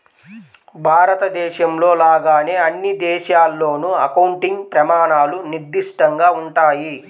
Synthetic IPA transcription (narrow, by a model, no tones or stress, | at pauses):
bʱaːɾɐt̪ɐd̪ɛːʃɐmlo̞ːlaːɡaːne̞ːɐnːid̪ɛːʃaːlːo̞ːnuɐkɐwuɳʈiŋɡpɾɐmaːɳaːluniɾd̪iʂʈɐŋɡaːuɳʈaːji